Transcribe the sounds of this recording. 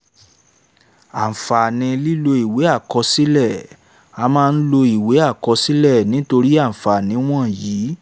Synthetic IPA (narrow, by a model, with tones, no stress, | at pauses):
a˨fa˨nĩ˧li˦lo˧i˨we˨˦a˦˨kɔ˧si˦lɛ˦˨ | a˧mãː˦˧n̩˦lo˧i˨we˨˦a˦˨kɔ˧si˦lɛ˦˨nĩ˨˦to˧ɾi˦a˦˨fa˨nĩ˨˦w̃ɔ̃˦˨jiː˨˦